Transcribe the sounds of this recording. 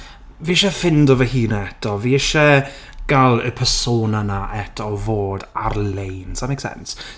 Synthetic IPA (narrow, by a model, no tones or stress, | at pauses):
viɪʃɛfɪndɔvəhiːnaɛtɔviɪʃɛ | ɡ̥alˠəpʰəsoːnanaʔɛtʰɔvoːdarlejnsamejksɛ̰ns